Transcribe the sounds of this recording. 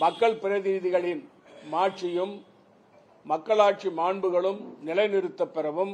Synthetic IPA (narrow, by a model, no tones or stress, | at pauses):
mɐkːɐɭpɪɾɐðɪɾðɪɣɐɭɪn | maːʈt͡ʃɪjɯm | ɐkːɐɭaːʈ̚t͡ʃimaːɳbɯɣɐɭɯmnɪlɐɪnɪɾɯt̪ːɐpːɪɾɐʋɯm